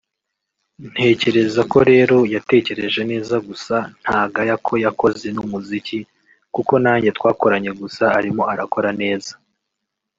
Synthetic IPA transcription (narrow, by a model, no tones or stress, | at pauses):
n̥he̞ːce̞ɾe̞zako̞ɾe̞ːɾo̞jate̞ːce̞ɾe̞ʒe̞ne̞ːzaɡusan̥haːɡajakʰo̞jako̞ze̞numuzici | kuko̞naːɲɟe̞twaːko̞ɾaɲe̞ɡusaːɾimo̞aɾako̞ɾane̞ːza